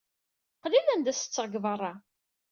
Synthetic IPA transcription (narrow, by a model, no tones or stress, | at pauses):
qlilænd̪æsə̥t͡sːəʁəɡvərˤɑ